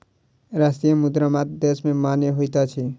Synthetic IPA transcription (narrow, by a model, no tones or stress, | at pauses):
ɾast̪ijəmʊd̪ɾamat̪̚d̪esmẽmaːnjeɦoit̪at͡ʃʰi